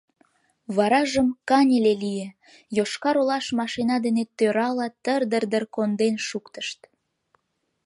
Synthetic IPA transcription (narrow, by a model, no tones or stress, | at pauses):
βɑɾɑʒəmkɑnʲelelije | joʃkɑɾolɑʃmɑʃinɑd̪enet̪øɾɑlɑt̪ərd̪ərd̪ərkond̪enʃukt̪əʃt̪